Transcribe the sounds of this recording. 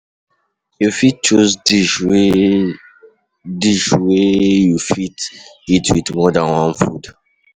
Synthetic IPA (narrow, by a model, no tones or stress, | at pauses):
jofit̚t͡ʃozdi | diʃwejufit | itʰwidmɔdãnwãnfud